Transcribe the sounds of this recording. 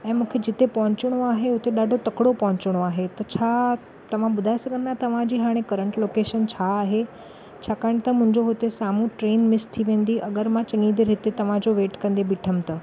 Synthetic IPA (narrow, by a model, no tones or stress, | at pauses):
ɛ̃ːmũːkʰed͡ʑɪt̪epɐɦʊ̃ɲt͡ɕɪɽ̃oaːɦeʊt̪eɗaːɖʱot̪ɐkɽopɐɦʊ̃ɲt͡ɕɪɽ̃oaːɦet̪ɐt͡ɕʰa | t̪ɐʋ̤ãɓʊd̪ʱaisɐɡʱə̃nd̪at̪ɐʋ̤ãd͡ʑiːɦaːɽ̃ẽkɐɾəɳʈloːkeːʃənt͡ɕʰaːɦe | t͡ɕʰaːkaːɪɽ̃t̪ɐmʊ̃ɦɪ̃ɲd͡ʑoɦot̪esaːmũʈɾeːnmɪst̪ʰiʋẽːn̆d̪iʔɐɡəɾmãt͡ɕɐ̃ŋĩd̪eɾɦɪt̪et̪ɐʋ̤ãd͡ʑoʋeːʈkɐ̃nd̪ebɪʈʰəmt̪ɐ